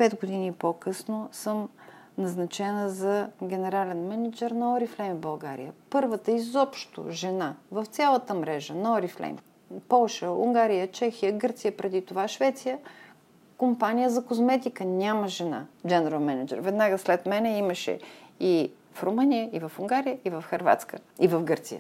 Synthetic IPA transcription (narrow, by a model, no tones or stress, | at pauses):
pɛd̪ɡod̪inipokɤsnosɤm | nɐznɐt͡ʃɛnəzɐɡʲɛnɛɾalɛnmɛnɐd͡ʒɛɾnɐɔɾiflɛjmbɐlˠɡaɾḭjəpɤɾvət̪əizɔpʃt̪o̰ʒɛnavɐft̪sʲalˠət̪əmɾɛʒənɐɔɾiflɛ̰jm | pɔlˠʃəṵŋɡaɾijət͡ʃɛxijəɡɤɾt̪sijəpɾɛd̪it̪ovaʃvɛt̪sijə | kompanʲijəzɐkozmɛt̪ikənʲaməʒɛna̰d͡ʒɛnɛɾəlˠmɛnɐd͡ʒɛ̰ɾvɛd̪naɡəslɛt̪mɛnɛiməʃɛ̰i | fɾomɤnijəivɐfuŋɡaɾijəivɐfxɐɾva̰t̪skə | ivɐfɡɤɾt̪sijə̰